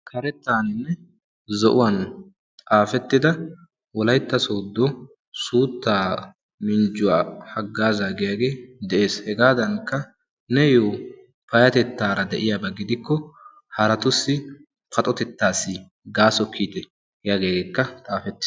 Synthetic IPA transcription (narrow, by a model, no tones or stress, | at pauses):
kʰɐɾɛt̪ːaːnɪnːɛ | zɔʔʊwɐn | t̪ʼaːfɛt̪ːɪd̪ɐ | wɔlɐjt̪ːɐsoːd̪ːɔ | suːt̪ːaː | mɪnd͡ʒʊwaːhɐɡːaːzaːɡɪjaɡe̞ːd̪ɛʔe̞ːshɛɡaːd̪ɐnkːɐ | nɛjoː | pɐjɐt̪ɛt̪ːaːɾɐd̪ɛʔɪjabɐɡɪd̪ɪkːɔ | hɐɾɐt̪ʊsːɪ | pʰɐt̪ʼɔt̪ɛt̪ːaːsːɪ | ɡaːsɔkʰːiːt̪ɛ | hjaɡeːɡekːɐt̪ʼaːfɛt̪ːɪ̥